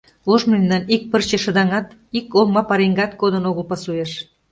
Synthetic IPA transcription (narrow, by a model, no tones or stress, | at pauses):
oʒmend̪ɑnik̚pərt͡ɕĕʃə̆d̪ɑŋɑt̪ikommɑpɑɾeŋɡɑt̪kod̪ə̆noɣəlpɑsueʃ